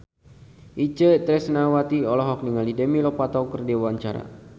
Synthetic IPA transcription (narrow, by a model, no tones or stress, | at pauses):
ʔit͡ʃət̪ɾɛsnawat̪iɔlɔɦɔk̚niŋalidəmilɔpat̪ɔkərdiwaɲt͡ʃaɾa̰